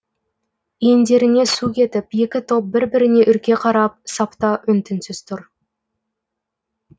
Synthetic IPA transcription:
jend̪e̞ɾɪne̞sukʲe̞t̪ɪpje̞kʲɪt̪ʰo̞p̚bɪɾbɪɾɪne̞ʔʏɾkʲe̞qʰɑɾɑp̚sɑpt̪ɑʔʏnt̪ɪnsɪzt̪ʰʊɾ

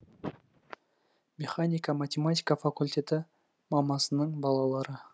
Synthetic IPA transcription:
mʲe̞χanʲijkamat̪ʲemat̪ʲijkafakulʲt̪ʲe̞t̪ɪ | mɑmɑsənəɴbɑlˠɑlˠɑɾə

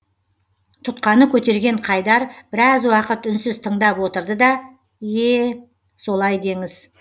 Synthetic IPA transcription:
t̪ʰʊt̪̚qɑnəkʲʰɵt̪e̞ɾɡʲe̞ɴqʰɑjd̪ɑɾb̥ɪɾɑzwɑqət̪ʏnsɪzt̪ʰəɴd̪ɑpwo̞t̪əɾd̪əd̪ɑ | je | so̞lˠɑjd̪e̞ŋɪz

